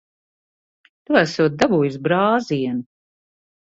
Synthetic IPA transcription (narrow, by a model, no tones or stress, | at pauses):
t̪uæsuːt̪̚d̪abuːjus̬bɾaːziɛnu